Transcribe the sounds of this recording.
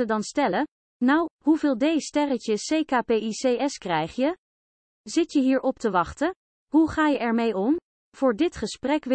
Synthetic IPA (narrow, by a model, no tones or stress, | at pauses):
ədɑnstɛlə | nawɦuvɪːlˠdejstɛrəcəsejkaːpejiseːɛskrɛjχjə | zɪtjəɦiːɹʔɔp̚təʋɑχtə | ɦuχaːjəʔɛɹmejɔm | v̥ʊːɹdɪtχəsprɛkʋ